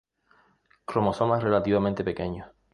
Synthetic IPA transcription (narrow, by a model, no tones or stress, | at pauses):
kɾomosomasre̞lat̪iβamẽnt̪e̞pekeɲo